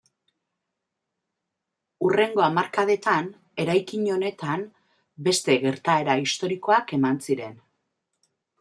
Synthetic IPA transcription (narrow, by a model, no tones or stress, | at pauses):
ure̞ŋɡo̞amaɾkaðe̞t̪an | e̞ɾajkiɲo̞ne̞t̪an | be̞st̪e̞ɣe̞ɾt̪ae̞ɾaist̪o̞ɾiko̞ake̞mansiɾe̞n